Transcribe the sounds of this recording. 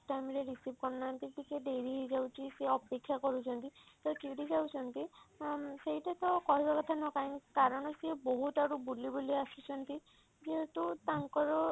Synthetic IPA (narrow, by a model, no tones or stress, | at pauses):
tamɹɛɹisip̚kɔɹnamt̪itikɛdeɹiɦezawt͡ʃiseɔpekʰːjakɔɹusʰɔnt̪itat͡ʃidizawsʰɔnt̪i | sejtat̪ɔkɔɦibakɔt̪ʰanɔkajnkaɹɔnɔsiɛboɦutaɹubulibulɔjasisɔnt̪i | ziɛtut̪aŋkɔɹɔ